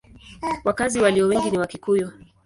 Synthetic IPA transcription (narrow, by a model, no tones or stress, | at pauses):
wakaziwaliɔwɛŋɡiniwakikujɔ